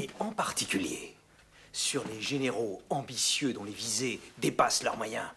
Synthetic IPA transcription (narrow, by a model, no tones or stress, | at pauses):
eɑ̃paʁt̪ikʲyljḛ | syʁleʒeneʁoɑ̃bisjød̪ɔ̃levized̪epaslœ̰ʁmwajɛ̃